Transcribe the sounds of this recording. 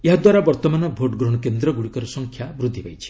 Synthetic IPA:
eɦad̪waɾabɔɾt̪ɔmanɔbʱoʈɡɾɔɽ̃ɔkend̪ɾɔɡuɽikɔɾɔsɔŋkʰjabɾud̪ʱːibajt͡ʃʰi̥

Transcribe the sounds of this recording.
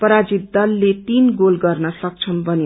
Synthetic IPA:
pʌɾad͡zit̪̚d̪ʌlːet̪inɡolɡʌrnʌsʌk̚t͡sʰʌnbʱʌne

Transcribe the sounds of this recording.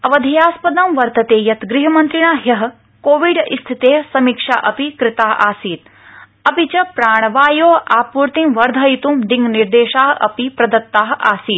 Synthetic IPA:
ɐʋɐd̪ʱijaːspɐd̪ɐmʋɐɾt̪ɐt̪eːjɐt̪ɡɾiɦɐmɐnt̪ɾiɳaːɦjɐɦɐ | koːʋiɖist̪ʰit̪eːsɐmikʂa̰ːʔɐpikɾɪt̪aːɦaːsiːt̪ | ɐpit͡ʃɐpɾaːɳ̃ɐʋaːjoːaːpuɾt̪ĩmʋɐɾd̪ʱɐit̪umd̪iŋɡniɾd̪eːʃaːɦʔɐ̰pipɾɐd̪ɐt̪ːaːɦʔa̰ːsiːt̪

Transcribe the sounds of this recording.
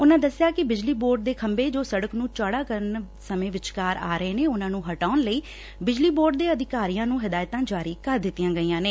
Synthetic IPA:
ʊnãːd̪əsːɪjaːkɪbɪd͡ʒliːboːɾɖ̚d̪eːkʰəmbeːd͡ʒoːsəɽəknũːt͡ʃaːɽaːkəɾən | səmẽːʋɪt͡ʃkaːɾa̰ːɾəeːneːʊnãːnũːɦəʈaːnləiː | bɪd͡ʒliːboːɾɖd̪eːəd̪ɪkaːɾijãːnũːɦɪd̪aːjt̪ãːd͡ʒaːɾiːkəɾd̪ɪt̪ːijãːɡəiːãːneː

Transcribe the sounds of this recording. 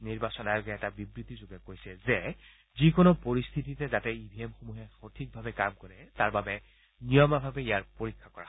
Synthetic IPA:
niɹbasɔnajɔɡɛɛtabibɹit̪izʊɡɛkojsɛzɛ | zikonopoɹist̪ʰititɛzatɛibʱiɛmxomuɦɛxotʰik̚bʱabɛkamkɔɹɛtaɹbabɛ | nijɔmabʱabɛijaɹpoɹikʰːakɔɹa̰

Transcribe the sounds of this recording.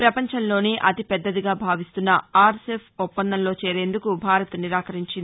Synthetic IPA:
pɾɐpɐɲt͡ʃɐnlo̞ːniʔɐt̪ipɛd̪ːɐd̪iɡaːbʱaːʋist̪unːɐaːɾsepʰupːɐnd̪ɐnlo̞ːt͡ʃe̞ːɾe̞ːnd̪ukubʱaːɾɐt̪ɐniɾaːkɐɾiɲt͡ʃind̪i

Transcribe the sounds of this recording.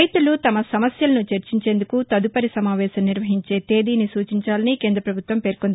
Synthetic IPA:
jt̪ulut̪ɐmɐsɐmɐsjɐlɐnut͡ʃeɾt͡ʃiɲt͡ʃe̞ːnd̪ukut̪ɐd̪upɐɾisɐmaːʋɛːsɐmniɾʋɐɦiɲt͡ʃe̞ːt̪e̞ːd̪iːnisuːt͡ʃiɲt͡ʃaːlɐnikeːnd̪ɾɐpɾɐbʱut̪ʋɐmpe̞ːɾkond̪i

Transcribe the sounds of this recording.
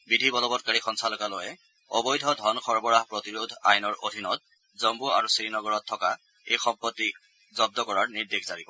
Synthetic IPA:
bidʱibɔlɔbɔt̚kaɹixɔnsalɔkalojɛ | ɔ̰bɔjdʱɔdʱɔnxʰɔɹbɔɹaɦpɹotiɹudʱa̰jnɔɹo̰dʱinɔt̚ | zɔmbua̰ɹusɹinɔɡɔɹɔtʰːɔka | ḛjxɔmpɔtːi | zɔb̚dɔkɔɹaɹniɹdekʰz̥aɹibɔ

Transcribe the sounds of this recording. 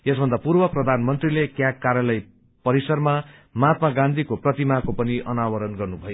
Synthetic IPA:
jesbʱʌnd̪apurbʌprʌd̪ʱanmʌnt̪rilekjakːaɾjʌlʌj | pʌɾisʌrma | mat̪maɡãnd̪ʱikoprʌt̪imakopʌniʔʌnawʌɾʌnɡʌrnubʱʌjo

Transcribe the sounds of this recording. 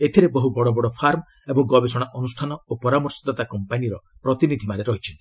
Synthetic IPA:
et̪ʰiɾebɔɦubɔɽɔbɔɽɔpʰaɾm | ebɔŋɡɔbesɔɽ̃aʔɔnusʈʰanɔopɔɾamɔɾsɔd̪at̪akɔmpaniɾɔpɾɔt̪inid̪ʱimaɾeɾɔɦit͡ʃʰit̪i

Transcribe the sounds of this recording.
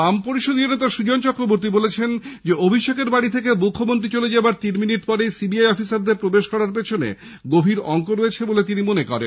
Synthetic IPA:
ampoɾiʃod̪ijonet̪aʃud͡ʑont͡ɕɔkɾoboɾt̪ibolet͡ɕʰend͡ʑeobʱiʃekeɾbaɽit̪ʰek̬emukʰːomont̪ɾit͡ɕoled͡ʑabaɾt̪inminiʈpɔɾejsibiajɔfisaɾd̪eɾpɾobeʃkɔɾaɾp̬et͡ɕʰonḛ | ɡobʱiɾɔŋkoɾoet͡ɕʰebolet̪̬inimonekɔ̰ɾḛn

